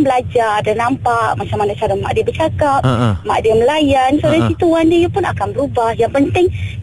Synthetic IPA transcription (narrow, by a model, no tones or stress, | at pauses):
bəlad͡ʒadanampaʔmat͡ʃamanasadama̰ʔdiabərt͡ʃakap̚ma̰ʔdiaməlajansodasit̪uandijapʊna̰kanbəɾubahjaŋpənt̪ɪŋ